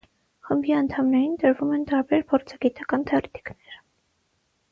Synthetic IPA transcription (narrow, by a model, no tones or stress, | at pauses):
χəmbiɑnt̪ʰɑmnɛɾint̪əɾvumɛnt̪ɑɾbɛɾpʰɔɾt͡sʰɑɡit̪ɑkɑnt̪ʰɛɔɾɛt̪ʰi̥knɛɾ